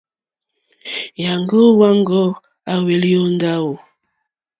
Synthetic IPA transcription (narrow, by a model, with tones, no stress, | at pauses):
ja˨ŋɡo˦wa˦ŋɡɔ˦ | a˨we˨li˦o˦nda˦wo˨